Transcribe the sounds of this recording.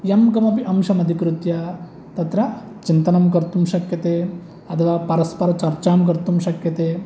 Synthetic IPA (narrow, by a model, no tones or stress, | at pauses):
jɐmɡɐmɐpiʔɐmʃɐmɐd̪ʱikɾut̪jɐ | t̪ɐt̪ɾɐ | t͡ʃint̪ɐnɐmkɐɾt̪umʃɐkjɐt̪eː | ɐt̪ʰɐʋaːpɐɾɐspɐɾɐt͡ʃɐɾt͡ʃaːmkɐɾt̪umʃɐkjɐt̪eː